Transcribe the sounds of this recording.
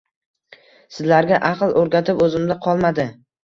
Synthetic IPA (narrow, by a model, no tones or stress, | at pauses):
sɪzlaɾɡʲaʔɑqlˠɵɾɡʲat̪ʰɪpɵzɪmd̪aqʰɒlˠmad̪ɪ